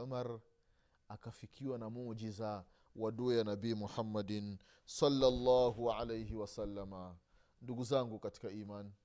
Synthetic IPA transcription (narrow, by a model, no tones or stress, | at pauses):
amaɾ | akafikʰiwanamud͡ʒiza | waɗujanabiːmuħamːadn | sɔlːalːaːɦuʕalejhiwasalːama | nduɡuzaŋɡukati̥kaiːman